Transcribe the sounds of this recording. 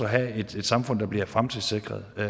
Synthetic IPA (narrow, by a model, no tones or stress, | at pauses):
ɒɦæe̝d̥e̝d̥sɑ̈mfɔ̽n̰d̥ɑ̈b̥liɐfʁamt͡sʰe̝lse̝ɡ̥ʁɐðˠ